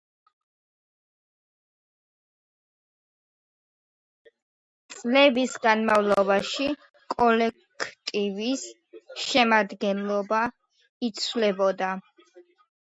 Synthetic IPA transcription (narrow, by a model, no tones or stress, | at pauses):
t̪sʼlɛbisɡanmavlˠɔbaʃi | kʼɔlɛkkʰt̪ʼivis | ʃɛmad̪ɡɛnlˠɔba | it̪sʰwlɛbɔd̪a